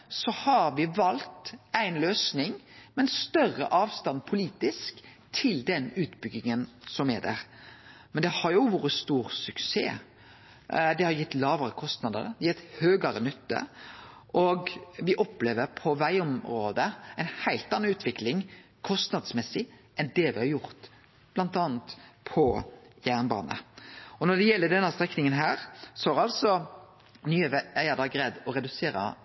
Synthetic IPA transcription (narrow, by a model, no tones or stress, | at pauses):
sɔhɑɾʋɪʋɑlt̪æɪnløːsnɪŋmɛnst̪œrːə̰ʔɑːʋst̪ɑnpʰʊliːt̪ɪsk | t̪ʰɪld̪ɛnʉːt̪bʏɡːɪŋənsɔmæd̪æ̰ɾmɛnd̪ɛhɑɾjʊʋuːɾəst̪uːɾsʉksḛː | d̪ɛhɑɾjɪt̪ːlɑːʋəɾəkʰɔst̪nɑd̪əɾd̪ɛjɛt̪høːɡəɾənʏt̪ːə̰ | ʔɔɡʋɪʔɔpleːʋəɾpʰɔʋæɪɔmɾoːd̪əæɪnhæɪlt̪ɑnːɑʉːt̪ʰʋɪklɪŋ | kʰɔst̪nɑd̪smɛsɪʔɛnd̪ɛʋɪhɑɾjʊʁt̪ | b̥lɑnt̪ɑːnt̪pʰɔjæːʁnbɑ̰ːnə̰ɔnɔɖ̪ɛjɛlːəd̪ɛnːəst̪ʁɛknɪŋənɦæːɾsɔhɑɾɑlsɔ | nyːəʋæɪɑd̪ɑɑɡɾeːd̪ɔɾɛd̪ʉseːɾə̰